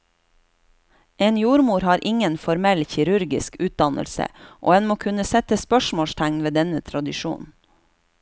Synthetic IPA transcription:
eːnjuːɾmuːɾhɑːɾʔɪŋənfɔɾmɛlçɪɾʉɾɡɪskʉːt̪̚d̪ɑnə̰lsə̰ʔo̰ːɛnmoːkʰʉnəsɛt̪əspœʃmoːʃt̪ʰæŋnʋeːd̪ɛnət̪ʰɾɑd̪ɪʃṵːn

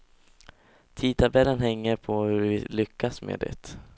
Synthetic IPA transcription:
t̪ʰiːt̪ʰabɛlːənɦɛŋːəɾpʰɔhɵɾvɪlʏkʰːasmḛːd̪ɛ̰t̪

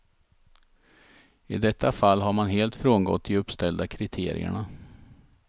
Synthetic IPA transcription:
ɪ̰d̪ɛt̪ʰːafalːɦaɾmanɦeːlt̪fɾoːnɡɔ̰t̪ʰːɪɵpst̪ɛld̪akʰɾɪt̪ʰḛːɾɪ̰ə̰ɳa

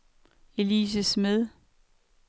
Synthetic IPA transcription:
e̝liːs̬əsmeðˠ

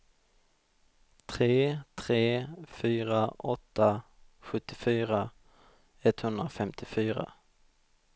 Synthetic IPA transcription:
t̪ʰɾeːt̪ʰɾeːfyːɾaʔɔt̪ːa | ɧɵt̪ːɪfyːɾa | ɛt̪hɵnd̪ɾafɛmt̪ʰɪfyːɾa̰

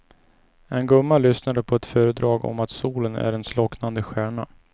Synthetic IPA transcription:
ɛnɡɵmːalʏsnad̪əpʰɔɛt̪fœːɾəd̪ɾɑːɡɔ̰mat̪suːlənæ̰ɖɛnslɔknand̪əɧæːɳa

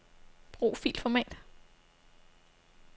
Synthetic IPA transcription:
b̥ʁṵːfḭːlfɒmɛ̰ːd̥

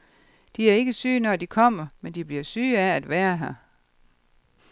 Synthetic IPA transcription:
d̥iæɐe̝ɡ̥əsyːnɒd̥ikʰɒ̽m̰ɐmend̥ib̥liɐsyːææd̥ʋæːɐɦæ

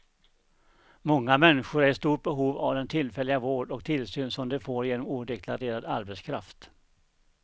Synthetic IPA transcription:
mɔŋːamɛnːɪɧʊɾæʂt̪uːʈ̚bɛɦuːvavd̪ɛnt̪ʰɪlːfɛlːɪɡavoːɖɔk̚t̪ʰɪlsyːnsɔmd̪ɛfoːɾjeːnɔmuːd̪ɛkʰlaɾeːɾad̪aɾbɛt̪skʰɾa̰ft̪

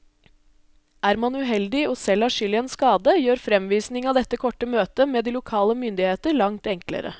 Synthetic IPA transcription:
æːɾmɑnʉɦɛld̪ɪɔːsɛlːæʂʏlɪɛːnskɑːd̪əjøːɾfɾɛmʋiːsnɪŋɑʋd̪ɛt̪ːəkʰɔʈːəmøːt̪əmeːd̪iːlʊkʰɑːləmʏnd̪ɪheːt̪əɾɭɑŋt̪ɛŋklə̰ɾə̰

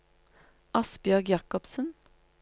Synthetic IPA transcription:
ʔɑsbjœʁɡjɑkɔpsən

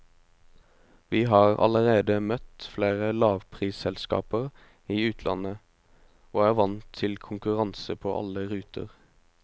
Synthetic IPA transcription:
ʋiːɦɑːʁɑ̰ləʁeːd̪əmœt̪fleːʁəlɑːʋpʰʁiːsɛlskɑ̰ːpəʁ | iːʉːt̪ʰlʔɑ̰nə | oːæːʁʋɑnt̪ʰːɪlkʰʊŋkʉʁɑnsəpʰoːʔɑ̰ləʁʉːt̪ʰə̰ʁ

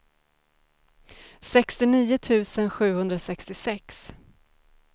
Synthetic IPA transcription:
sɛkst̪ɪniːʊt̪ʰʉ̟ːsənɧʉ̟ːhɵnd̪ɾasɛkst̪ɪsɛks

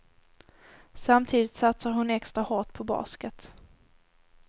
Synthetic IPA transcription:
samt̪ʰiːd̪ɪt̪sat̪saɾɦʊnɛkst̪ɾahɔʈpʰɔbɑ̰ːskət̪

